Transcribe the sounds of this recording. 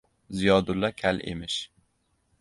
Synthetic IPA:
zijɑːd̪ulːɑkʲʰælʔḛmɪʃ

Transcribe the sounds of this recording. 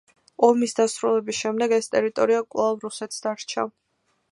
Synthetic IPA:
ɔmisd̪asɾulɛbisʃɛmd̪ɛɡɛst̪ʼɛɾit̪ʼɔɾiakʼwlˠavɾusɛt̪ʰsd̪aɾt͡ʃʰa̰

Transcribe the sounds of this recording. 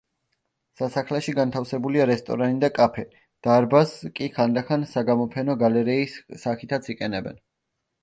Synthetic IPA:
sasaχlɛʃiɡant̪ʰafsɛbuliaɾɛst̪ʼɔ̰ɾanid̪akʼapʰɛ | d̪̥aɾbaskʼiχand̪aχansaɡamɔpʰɛnɔɡalɛɾɛisːaχit̪ʰat̪sʰiqʼɛnɛbɛ̰n

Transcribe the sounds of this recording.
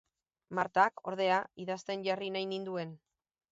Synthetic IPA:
maɾt̪ako̞ɾð̞e̞aiðast̪e̞nʝarinajnind̪ue̞n

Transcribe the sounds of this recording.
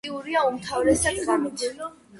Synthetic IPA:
iuɾiaumt̪ʰavɾɛsad̪ɡam

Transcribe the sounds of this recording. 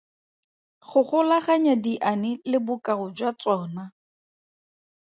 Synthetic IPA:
χʊχʊlaχaɲadiʔanɪlɪbʊkʼarʊd͡ʒwat͡sɔːna

